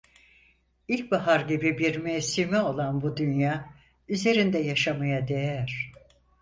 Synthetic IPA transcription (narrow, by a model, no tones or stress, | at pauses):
ilʲc̚baɦaɾɟibibiɾmesimɛo̞lˠanbud̪ynjaː | yze̞ɾind̪ɛjaʃamajad̪e̞jæɾ̥